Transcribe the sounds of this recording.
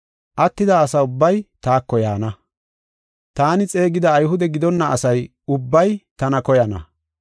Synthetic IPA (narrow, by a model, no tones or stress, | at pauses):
ʔɐt̪ːɪd̪ɐːsɐʊbːɐjt̪aːkːɔja̰ːnɐ | t̪aːnɪt͡sʼe̞ːɡɪd̪ɐːjɦʊd̪ɛɡɪd̪ɔnːɐɐsɐj | ʊbːɐjt̪ɐnɐkɔjɐnɐ̰